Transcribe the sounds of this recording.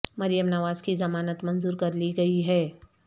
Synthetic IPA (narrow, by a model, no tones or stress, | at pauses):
mɐɾijəmnɐʋaːzkizɐmaːnət̪mɐ̃nzuːɾkɐɾliɡɐiɦɛː